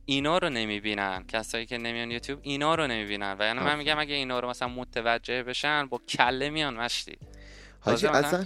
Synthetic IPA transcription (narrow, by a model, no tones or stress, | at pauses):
ʔiːnɒːɾone̞miːbiːnæncʰæsɒːjiːcʲʰe̞ne̞mijɒnjuːt̪ʰjuːbinɒːɾone̞miːbiːnænvæjænimænmiːɟæmæɡæiːnɒːɾomæsælænmot̪ʰevæd͡ʒːe̞hbeʃænbɒːcʰælːe̞mijɒnmæʃt̪ḭː | tɒːzem